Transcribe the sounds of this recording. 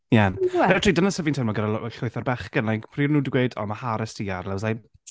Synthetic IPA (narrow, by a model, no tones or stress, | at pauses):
jɛnrɛtʰridənasəvɪntʰanmaɡəɾalɬʊjθarbɛχɡənlajkpʰriːrnuːdɡweːdɔ̰mahaɾəstʰiarlɛwzaj